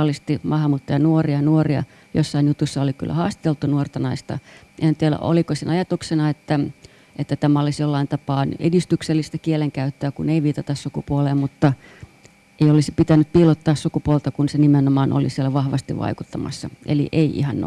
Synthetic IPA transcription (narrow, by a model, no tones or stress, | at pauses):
list̪imɑhɑmut̪ːɑjɑnuoriɑnuoriɑ̰ | jo̰sːɑinjut̪usːɑoliky̰lːæ̰hɑːst̪i̥t̪elt̪ːˑunuort̪ɑnɑist̪ɑ̰ | ehænt̪ielæ̰ʔo̰likosenɑjɑt̪uksenɑet̪ːæ | ʔet̪ːæt̪æmæɑlisjolːɑint̪ɑpɑːnḛdist̪ykselːist̪ækieleŋkæyt̪ːøːkuneiʋiːt̪ɑt̪ɑssukupuoleːmmut̪ːɑ | eiolisi̥pit̪ænːyppiːlot̪ːɑːssukupuolt̪ɑkunsenimenomɑːno̰lisielæʋɑhʋɑst̪iʋʋɑ̰ikut̪ːɑmɑ̰sːɑʔḛlḭʔeiʔḭhɑn̰